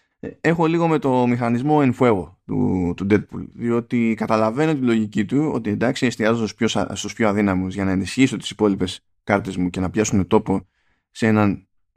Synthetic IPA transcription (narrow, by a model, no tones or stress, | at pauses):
e̞xo̞liɣo̞me̞t̪o̞mixɐnizmo̞enfue̞ɣo̞t̪ṵt̪ud̪e̞t̪̚pṵlðio̞t̪ikɐt̪ɐlɐve̞no̞t̪ilo̞ʝicit̪uo̞̰t̪iend̪ɐksiest̪iɐzosposst̪uspçoɐðinɐmuzʝɐnɐenisçisot̪i̥si̥po̞lipe̞s | kɐɾt̪e̞zmuce̞nɐpçɐsune̞t̪o̞po̞ | see̞nɐn